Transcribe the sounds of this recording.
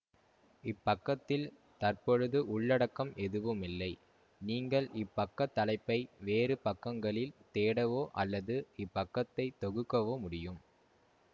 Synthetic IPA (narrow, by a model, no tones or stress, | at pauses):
ɪpːɐkːɐt̪ːɪl | t̪ɐrpɔɻɯðɯʔʊɭːɐɽɐkːɐmɛðɯʋɯmɪlːɐɪ | niːŋɡɐɭʔɪpːɐkːɐt̪ːɐlɐɪpːɐɪʋeːɾɯpɐkːɐŋɡɐɭɪlt̪eːɽɐʋoːʔɐlːɐðɯɪpːɐkːɐt̪ːɐɪt̪ɔɣɯkːɐʋoːmʊɽɪjɯm